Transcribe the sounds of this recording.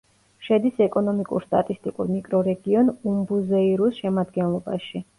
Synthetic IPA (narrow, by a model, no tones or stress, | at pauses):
ʃɛd̪isɛkʼɔnɔmikʼṵɾst̪ʼa̰t̪ʼist̪ʼikʼuɾmikʼɾɔɾɛɡiɔnumbuzɛiɾusʃɛmad̪ɡɛnlˠɔba̰ʃi